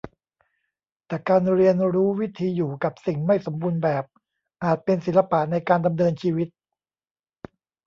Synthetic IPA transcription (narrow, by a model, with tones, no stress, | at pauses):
t̪ɛː˨˩kaː˧nɾi˧ənɾuː˦˥wi˦˥t̪ʰiː˧juː˨˩ka˨˩p̚si˨˩ŋma˥˩jso˩˦mbuː˧nbɛː˨˩p̚ | ʔaː˨˩t̪̚pe˧nsi˩˦la˧pa˨˩na˧jkaː˧nda˧mnɤː˧nt͡ɕʰiː˧wi˦˥t̪̚